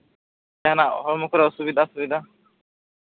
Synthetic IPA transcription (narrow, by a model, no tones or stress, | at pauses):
ɛɦanaɦɔɾmɔkʰɔɾɛɔsubid̪ʱasubid̪ʱa